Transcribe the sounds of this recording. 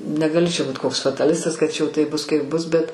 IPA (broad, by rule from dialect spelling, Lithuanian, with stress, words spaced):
nʲɛɡɐˈlʲɪ t͡ʃʲɛ ˈbuːt koːks fɐtɐˈlʲɪstɐs kɐt ˈt͡ʃʲɛ jɛʊ ˈtɐɪp ˈbʊs kɐɪp ˈbʊs ˈbʲɛt